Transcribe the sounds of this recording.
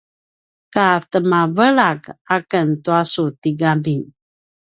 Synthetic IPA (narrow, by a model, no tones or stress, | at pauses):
katəmavəɭakakəntuasutiɡabin